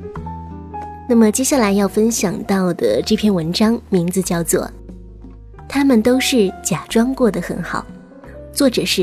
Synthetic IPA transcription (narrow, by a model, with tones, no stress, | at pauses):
na˥˩mə˩t͡ɕjɛ˥ɕja˥˩la˧˥ɪjɑ˥˩ʊfə˥nɕjɑ˨˩ŋt̪ɑ˥˩ʊd̪ə˩ʈ͡ʂɤ˥˧˩pʰjɛ˥˩nwə˧˥nʈ͡ʂɑ˥ŋmi˧˥ŋt͡sɹ̩˧t͡ɕjɑ˥˩ʊt͡swɔ̰˥˩ | t̪ʰa˥mə˨nt̪o˥ʊʂɻ̩˥˩t͡ɕja˨˩ʈ͡ʂwɑ˥ŋkwɔ˥˩d̪ə˩xə˧˥nxɑ˨˩˦ʊ | t͡swɔ˥˩ʈ͡ʂɤ˨˩ʂɻ̩˥˩